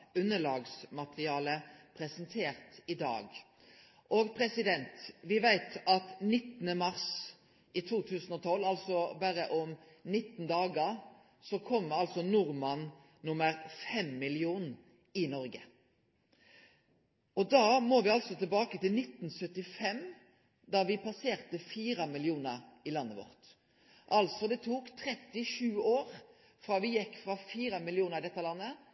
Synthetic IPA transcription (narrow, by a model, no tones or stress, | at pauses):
ʉnːəlɑːɡsmɑt̪ʁɪɑːləpʰɾɛsənt̪ʰeːʁt̪ɪd̪ɑ̰ːɡ | ʔoɡpʰɾɛsɪd̪ɛnt̪ʋɪʋæɪt̪ɑt̪nɪt̪ːnəmɑʁs | it̪ʰuːt̪ʰʉːsnɔt̪ʰɔlːɑlsɔbæɾəʔɔm | nɪt̪ːn̩d̪ɑːɡəɾ | sɔkʰɔmːəɑlsɔnʊɾmɑn | nʊməɾfɛmːɪlɪuːn | ɪnɔɾɡə | ɔd̪ɑːmoːʋɪɑlsɔt̪ʰɪlbɑːkət̪ɪlnɪt̪n̩sœt̪ːɪfɛm | d̪ɑːʋɪpɑseːʁt̪əfiːɾɑmɪlɪuːnəɾɪlɑnːəʋɔ̰ʁt̪ | ʔɑlt̪sɔd̪ɛt̪ʰuːkt̪ʰɾɛt̪ːɪʂʉːoːɾ | fɾɑːʋɪjɛkːfɾɑfiːɾɑmɪlɪuːnəɾʁɪd̪ɛt̪ːəlɑnːə